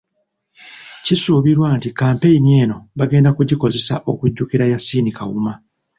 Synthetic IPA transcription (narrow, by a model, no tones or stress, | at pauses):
cisuːβiɾwaːntikaːmpe̞jinie̞ːno̞βaɡe̞ːndakuɟiko̞ze̞saʔo̞̰kuɟːukiɾajasiːnika̰wṵma